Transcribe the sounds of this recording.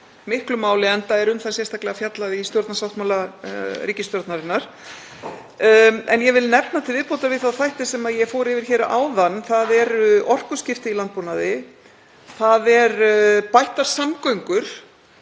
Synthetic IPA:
mɪhklʏmaːwlɪɛnt̪aɛɾʏmθasjɛst̪aklɛɣafjat̪laðɪist̪jɔɾt̪nasawht̪mawlariːcɪst̪jɔɾt̪naɾɪnːaɾ̥ | ɛnjɛvɪlnɛpnat̪ʰɪlvɪðpowt̪avɪðθawθajht̪ɪsɛmaðjɛɣfoːɾɪvɪɾ̥çɛːɾaa̰ːwðanːθaðɛɾɔr̥kʏ̥scɪft̪ɪilant̪̚punaðɪ | θaðɛɾpajht̪aɾ̥samkœɥŋkʏɾ̥

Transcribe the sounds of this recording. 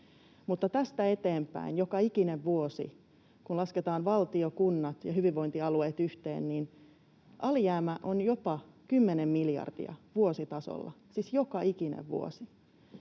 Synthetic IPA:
mut̪ːɑt̪æst̪æe̞t̪eːmpæ̰injokɑikineʋʋuosḭ | kunlɑsket̪ɑːnʋɑlt̪iokunːɑt̪jɑhyʋiʋʋo̞int̪iɑlueːt̪yht̪ḛːnnin | ʔɑlijæːmæʔonjo̞pɑkymːenemːiljɑ̰rd̥ḭɑ̰ʋuosit̪ɑso̰lːɑ̰sisjokɑikinḛʋʋṵo̰si

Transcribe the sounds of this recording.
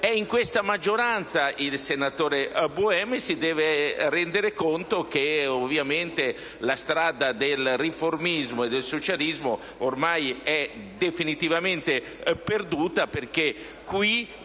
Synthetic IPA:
ɛiŋkwest̪amad͡ʒːoɾant̪sailsenat̪oːɾebuɛmsid̪ɛːveɾɛnd̪eɾekont̪okeovjament̪e | last̪ɾaːd̪ad̪elriformizmoed̪ːelsot͡ʃalizmo | ormajɛ | d̪efinit̪ivament̪e | perd̪uːt̪aperke | kwi

